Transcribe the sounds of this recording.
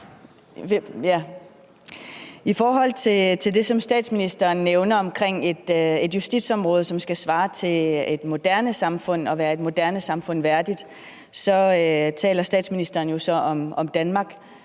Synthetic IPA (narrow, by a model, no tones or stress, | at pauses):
jæ | ifɒːɦɒ̽l̰t͡sʰe̝t͡sʰe̝ld̥e̝sɒ̽msd̥ɛ̰ːd̥sminisd̥ɐːnːeʊnɐɒ̽mkʰʁeŋ̰e̝d̥e̝d̥jusd̥id̥sɒ̽mʁɔ̽ːð̞ˠsɒ̽msɡ̥æsʋɑ̈ːt͡sʰe̝e̝d̥mo̝d̥æɐ̰nəsɑ̈mfɔ̽n̰ɒ̽ʋæːɐe̝d̥mo̝d̥æɐnəsɑ̈mfɔ̽n̰ʋæɐd̥id̥ | sɒ̽t͡sʰɛ̰ːlɐsd̥ɛ̰ːd̥sminisd̥ɐːn̩jo̝sɒ̽ʔɒ̽mɒ̽md̥ænmɑ̈ːɡ̥